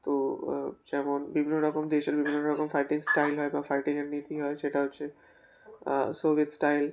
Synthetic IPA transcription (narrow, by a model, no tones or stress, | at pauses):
t̪od͡ʒɛmonbibʱinoɾɔkɔmd̪eʃeɾbʱibʱinoɾɔkɔmfʰajʈiŋsʈajlɦɔjbafajʈiŋanːit̪iɦɔeʃeʈaɦotːʃʰe | sobʱiet̪sʈajl